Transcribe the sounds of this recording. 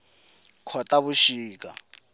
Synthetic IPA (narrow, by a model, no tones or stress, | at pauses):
kʰɔtʼaβuʃiːkʼa̰